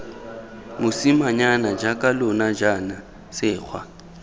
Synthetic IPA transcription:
mʊsimaɲanad͡ʒakʼalʊnad͡ʒana | sɪːk͡xʰwa̰

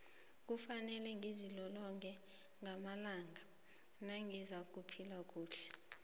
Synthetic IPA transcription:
k̬ʼufanɛlɛŋʱizilɔlɔŋkʰʼɛ | ŋʱamalaːŋʱa | naŋɡʱizak̬ʼupʰilak̬ʼuːɬɛ̥

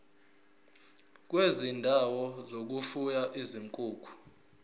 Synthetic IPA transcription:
k̬wezindʱawɔzok̬ufujaʔiziŋkʼuːkʰu̥

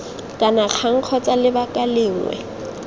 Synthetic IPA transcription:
kʼanak͡xʰaŋ̩q͡χʰɔt͡sʼalɪbakʼalɪːŋ̩wɛ̰

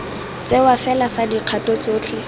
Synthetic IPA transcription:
t͡sewafɛlafadiq͡χʰatʼɔt͡soːt͡ɬʰɪ

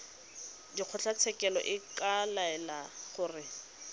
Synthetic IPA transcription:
diq͡χʰʊt͡ɬʰat͡sʰɛkɛlɔ̰ʔɪkalaɛlaχʊrɪ

